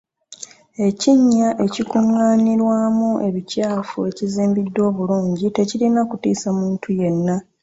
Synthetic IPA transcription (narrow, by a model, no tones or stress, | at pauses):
e̞ciɲːaʔe̞cikuŋːaːniɾwaːmuʔe̞βicaːfue̞ciziːmbidːwo̞ːβuluːɲɟite̞cilinakutiːsamuːntʰuje̞nːa